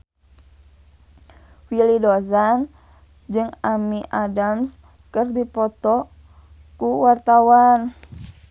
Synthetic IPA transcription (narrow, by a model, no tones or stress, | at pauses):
filidozan | d͡ʒɨŋamiʔadams | kɨrdipɔt̪ɔ | kuwart̪awan